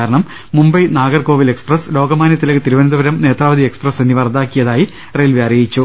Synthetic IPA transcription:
ɾɐɳɐmː | umbɐjnaːɡɐrko̞ːʋile̞ksprɐslo̞ːɡɐmaːnjɐt̪ːilekːɨt̪iɾuʋɐnɐd̪ɐʋɐɾɐmne̞ːt̪raːʋɐd̪ieksprɐsenːiʋɐrd̪aːkːijɐðaːji | rejlʋjaːrjɐjit͡ɕːu

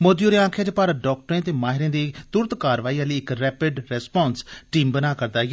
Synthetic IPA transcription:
moːd̪joːɾẽãːkʰaːd͡ʒepaːɾəɖɔːk̚ʈɾẽːt̪eːmaːɦɪɾẽːd̪iːt̪ʊɾt̪kaːɾʋaːiːãːleːɪkɾɛːpɪɖɾɛspɔ̃ːnsʈiːmbənaːkəɾd̪aːɡ

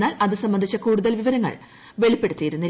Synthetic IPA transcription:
aːlɐðɨsɐmbːɐnd̪ʱit͡ɕːɐkuːɽuðɐlʋiʋɐɾɐŋːɐ̰ɭ | ʋe̞ɭipːe̞ɽut̪ːijiɾunːi

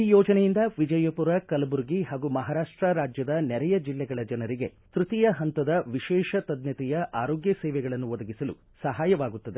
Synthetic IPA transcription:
iːjoːd͡ʒɐnɛjind̪ɐʋid͡ʒɐjɐpuɾɐkɐlɐbuɾɡiɦaːɡumɐɦaːɾaːʂʈɾɐɾaːd͡ʒjɐd̪ɐnɛɾɛjɐd͡ʒilːɛɡɐɭɐd͡ʒɐnɐɾiɡe̞ | t̪ɾut̪ijɐɦɐnt̪ɐd̪ɐʋiʃɛːʃɐt̪ɐd̪nɐt̪ɛjɐʔaːɾoːɡjɐsɛːʋɛɡɐɭɐnːuɔd̪ɐɡisɐlu | sɐɦaːjɐʋaːɡut̪ːɐd̪e

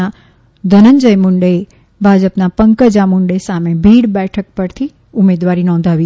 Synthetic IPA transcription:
a | d̪ʱənəɲd͡ʒəjmʊɳɖəe | bʱad͡ʒəpnapəŋkəd͡ʒamʊɳɖəjsamebʱiɽbɛʈʰək̚pəɾt̪ʰi | ʊmed̪ʋaɾinɔ̃nd̪ʱaʋi

